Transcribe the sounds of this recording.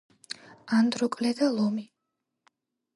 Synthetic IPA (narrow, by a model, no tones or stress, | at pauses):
and̪ɾɔkʼlɛd̪alˠɔmi